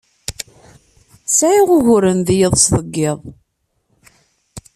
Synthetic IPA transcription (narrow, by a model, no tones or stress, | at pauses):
saʕiʁʊʝʊɾənðjəðˤsðˤəɡːɪðˤ